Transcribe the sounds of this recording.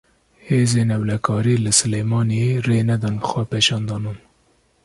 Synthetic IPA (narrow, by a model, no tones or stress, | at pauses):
heːzeːnɛwlɛkʰɑːɾiːlɨsɨleːjmɑːnireːnɛd̪ɑnxʷɛpeːʃɑːnd̪ɑːnuːn